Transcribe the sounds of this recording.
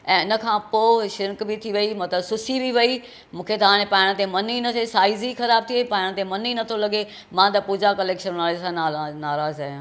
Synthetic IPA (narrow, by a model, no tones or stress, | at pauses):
ɛ̃ːɪnə̆kʰãːpoːʃɪɾkbit̪ʰiʋɐimɐt̪ləbsʊsibiʋɐi | mũːkʰet̪aːɽ̃epãːɪɽ̃t̪̬ẽmɐninɐtesaːɪzixɐɾaːb̚t̪ʰiepãːɪɽ̃t̪ẽmɐninɐt̪ʰolɐɡe | mãːt̪ɐpuːd͡ʑakɐleːkʃənʋaːlesãnaːanaːɾaːzaːɦjã